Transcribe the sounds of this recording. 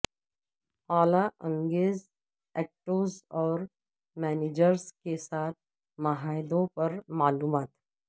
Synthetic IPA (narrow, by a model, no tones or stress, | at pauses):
aːlaʔɐ̃ŋɡeːz | ɛːk̚ʈoːzɔːɾ | mɛːneːd͡ʒəɾskesaːt̪̚ʰ | mɐɦaːɪd̪õpɐɾmaːluːmaːt̪